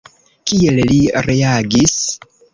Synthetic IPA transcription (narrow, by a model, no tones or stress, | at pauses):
kielliɾe̞aɡis